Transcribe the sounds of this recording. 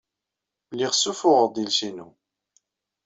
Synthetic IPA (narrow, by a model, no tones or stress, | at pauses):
lːiʁsufʊʁd̪ilsinu